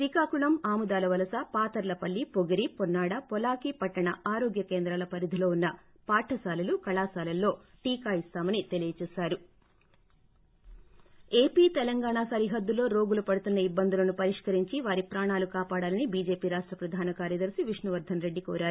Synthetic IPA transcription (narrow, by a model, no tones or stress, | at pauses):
sikaːkuɭɐmaːmud̪aːlɐʋɐlɐsɐpaːt̪ɐɾlɐpɐɭːipoɡiɾipɔnːaːɽɐpɔlaːkipɐʈːɐɳɐʔaːɾoːɡjɐkeːnd̪ɾalɐpɐɾid̪ʱilo̞ːunːɐ | paːʈʰɐsaːlɐlukɐɭaːsaːlɐlːo̞ːʈiːkaːist̪aːmɐnit̪e̞lijɐt͡ʃɛːsaːɾu | e̞ːpiːt̪ɛlɐŋɡaːɳaːsɐɾiɦɐd̪ːulo̞ːɾo̞ːɡulupɐɽut̪unːɐibːɐnd̪ʱulɐnupɐɾiʂkɐɾiɲt͡ʃiʋaːɾipɾaːɳaːlukaːpaːɽaːlɐnibiːd͡ʒe̞ːpiːɾaːʂʈɾɐpɾɐd̪ʱaːnɐkaːɾjɐd̪ɐɾsiʋiʂnɐʋɐɾd̪ʱɐnɾe̞ɖːikɔːɾaːɾu